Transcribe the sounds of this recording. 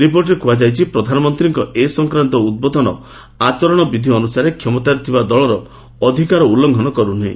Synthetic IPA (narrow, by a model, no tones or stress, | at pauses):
ɾipoɾʈɾekuad͡ʒajt͡ʃʰipɾɔd̪ʱanɔmɔnt̪ɾiŋkɔʔesɔŋkɾant̪ɔud̪̚bɔd̪ʱɔnɔ | at͡ʃɔɾɔɽ̃ɔbid̪ʱiɔnusaɾekʰjɔmɔt̪aɾit̪ʰibad̪ɔɭɔɾɔː | d̪ʱikaɾɔulːɔŋɡʱɔnɔkɔɾun̤ḛ̃